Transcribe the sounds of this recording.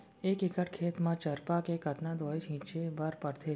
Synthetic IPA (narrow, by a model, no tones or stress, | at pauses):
eːkɪkəʈkʰeːt̪mãt͡ʃəɾpakekət̪nãd̪oːid͡ʒʰĩːt͡ʃebaɾpəɽt̪ʰeː